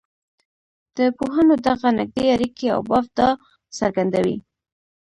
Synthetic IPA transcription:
d̪̥əpoɦənod̪aɣanɪɡ̚d̪eaɾikea̰wbɑfd̪ɑ | saɾɡand̪awḭ

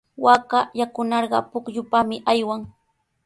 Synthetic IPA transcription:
wakajakʊnɑɾɢɑ̰pʊkʎʊpamɪʔajwaŋ

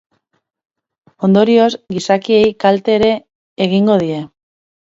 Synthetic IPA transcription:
o̞nd̪o̞ɾio̞zɡisakie̞jkalt̪e̞ːɾe̞ː | ɣ̞iŋɡo̞ð̞ie̞

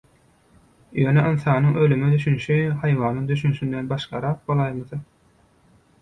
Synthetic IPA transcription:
jøːneʔɯnθɑːnɯŋølymed̪yʃynʃyhɑjʋɑːnɯŋd̪yʃynʃynd̪enbɑʃqɑɾɑːq̚bolˠɑjmɯθɯ

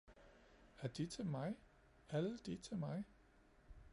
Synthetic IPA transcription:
æd̥it͡sʰe̝lmɑ̈ɪ | æləd̥it͡sʰe̝lmɑ̈ɪ

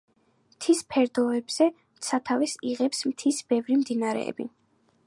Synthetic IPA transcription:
mt̪ʰispʰɛɾd̪ɔɛbz̥ɛ | mt̪sʰat̪ʰavɛsiʁɛpsmt̪ʰisb̥ɛvɾimd̪inaɾɛ̰ɛ̰bḭ

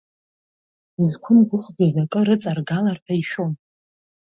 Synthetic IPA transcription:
zkʷʰʊmɡʷʊχɡazakʼɨɾɨt͡sʼarɡalarpʰaiʃon

